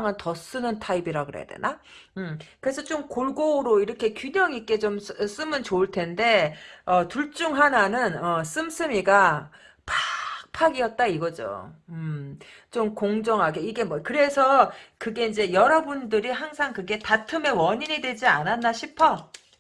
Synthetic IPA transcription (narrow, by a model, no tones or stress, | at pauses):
ŋantʌs͈ɯnɯntʰaibiɾaɡɯɾḛja̰dwḛna | ɯmkɯɾe̞sʰʌt͡ɕomkoɭɡoɾoiɾʌkʰe̞kjuɲʌŋik͈e̞t͡ɕoms͈ɯmɯnt͡ɕoɯɭtʰe̞nde̞ʌtuɭt͡ɕ͈uŋɦananɯnʌs͈ɯms͈ʰɯmiɡa | pḁk̚pʰaɡiʌt̚t͈aiɡʌd͡ʑo̰ɯ | t͡ɕomkoŋd͡ʑʌŋɦaɡe̞iɡe̞mʌkɯɾe̞sʰʌkɯɡe̞ind͡ʑe̞jʌɾʌbundɯɾiɦaŋsʰaŋkɯɡe̞tatʰɯme̞wʌɲiɲidwe̞d͡ʑiananːaɕʰipʰʌ